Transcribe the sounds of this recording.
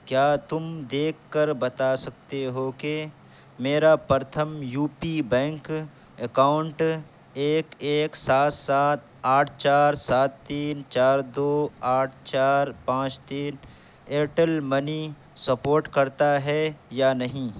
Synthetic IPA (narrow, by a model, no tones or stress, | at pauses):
kjaːt̪ʊmd̪eːkʰːəɾbɐt̪asɐk̚t̪eɦoke | meːɾapɾət̪ʰəmjuːpibɛ̃ːŋk | əkaːʊɳʈ | eːkeːksaːt̪saːt̪̚ʰ | aːʈʰt͡ʃaːɾsaːt̪ːiːnt͡ʃaːɾd̪oːaːʈʰt͡ʃaːɾpãːt͡ʃt̪iːn | eːʈəlmɐni | sɐpoːɾʈkɐɾt̪aɦɛjanɐɦĩ